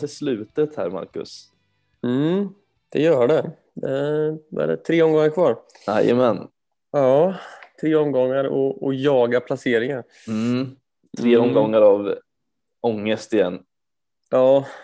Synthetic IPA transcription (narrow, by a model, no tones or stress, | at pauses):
t̪ʰɪslʉ̟ːt̪ət̪hæ̰ːɾma̰ɾkɵ̰s | m̩ | d̪̥ɛjœːɖɛ | d̪ɛvɛ̰ɖɛ̰t̪ʰɾeːɔmɡɔŋːaɾkʰvɑːɾ | ɛ̰jə̰mɛn | ɑːt̪ʰɾeːɔmɡɔŋːaɾɔ̰ɔjɑːɡapʰlaseːɾɪŋan | m̩ | t̪ʰɾeːɔmɡɔŋːaɾav | ɔŋːəst̪ɪjɛ̰nː | jɑː